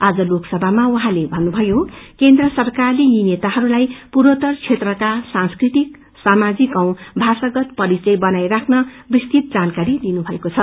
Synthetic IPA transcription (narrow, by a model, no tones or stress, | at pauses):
ad͡zʌloksʌbʱamawɦãlebʱʌnːubʱʌjokend̪rʌsʌrkarlijinet̪aɦʌɾulajpuɾot̪ʌrt͡sʰet̪rʌkasanskrit̪ik | samad͡zikʌw̃bʱasaɡʌt̪pʌɾit͡sʌjbʌnajrakʰnʌbrist̪it̪̚d͡zankaɾid̪inubʱʌekot͡sʰʌ